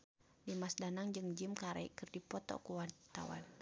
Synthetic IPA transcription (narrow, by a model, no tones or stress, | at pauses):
dimasdanaŋd͡ʒɨŋd͡ʒimkaɾa̰ḭkɨrdipɔt̪ɔ̰kuwat̪a̰wa̰n